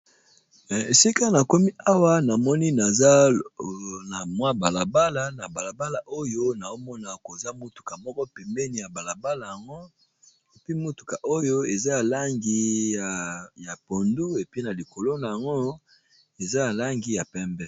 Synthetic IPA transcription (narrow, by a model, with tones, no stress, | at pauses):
mɛ˨e˨si˦ka˦na˨ko˦mi˦a˦wa˦na˨mɔ˦ni˦na˨za˦ | na˨mwa˦ba˨la˨ba˦la˨na˨ba˨la˨ba˦la˨ʔo˦jo˦na˨o˦mɔ˦na˨ko˨za˦mo˦tu̥˨ka˨mɔ˦kɔ˦pɛ˨mbɛ˦ni˨ja˨ba˨la˨ba˦la˨ja˨ŋɡo˦ | e˨pi˦mo˦tu̥˨ka˨ʔo˦jo˦e˨za˦ja˨la˦ŋɡi˦ja˨ja˨po˨ndu˦e˨pi˦na˨li˨ko˨lo˦na˨ja˨ŋɡo˦ | e˨za˦ja˨la˦ŋɡi˦ja˨pɛ˦mbɛ˦